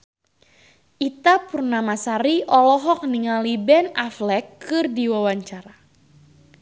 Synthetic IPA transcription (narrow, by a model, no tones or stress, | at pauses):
ʔit̪apurnamasaɾiʔɔlɔɦɔk̚niŋalibɛnaflɛkːɨrdiwawaɲt͡ʃaɾa